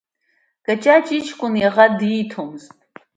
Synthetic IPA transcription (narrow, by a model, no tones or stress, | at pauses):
ɡ̥ʼɐt͡ʃʼaːt͡ʃʼit͡ʃʰʼkʷʼʊnɛʁɐdiːtʰomztʼ